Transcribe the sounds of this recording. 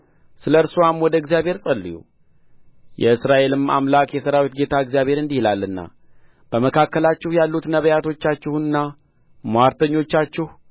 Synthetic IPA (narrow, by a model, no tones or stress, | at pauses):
sɨləɾsuwamwɔd̪əɪɡzijabʱhe̞ɾsʼəlːḭjṵ | jɛɨsɾaʔe̞lɨma̰mlakjɛsəɾawit̪ɡe̞t̪ʰaɨɡzijaβhe̞ɾɨnd̪ihilalːɨnːa̰ | b̥əməkʰakːəlat͡ʃːɪhjalːut̪nəβəjat̪ʰo̞t͡ʃːat͡ʃːɪhuɨnːa | maɾt̪ʰəɲːo̞t͡ʃːat͡ʃːɪh